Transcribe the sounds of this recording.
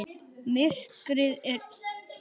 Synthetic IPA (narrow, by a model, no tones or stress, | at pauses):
mɪr̥kɾɪðɛt